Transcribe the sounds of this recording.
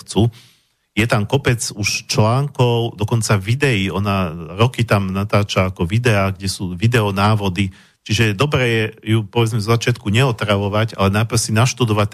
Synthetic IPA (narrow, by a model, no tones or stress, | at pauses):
t͡su | jɛt̪amkɔpɛt͡suʃt͡ʃlaːŋkɔʊd̪ɔkɔnt͡saʋid̪ɛiɔnaɾɔkit̪amnat̪aːt͡ʃaːkɔʋid̪ɛaɡɟɛsuːʋid̪ɛɔnaːʋɔd̪i | t͡ʃiʒɛd̪ɔbɾɛːjɛjupɔʋɛd͡zmɛvzɔzat͡ʃɪat̪kuɲɛɔt̪ɾaʋɔʋaɟa̰lɛnajpr̩sinaʃt̪ud̪ɔʋat̪̚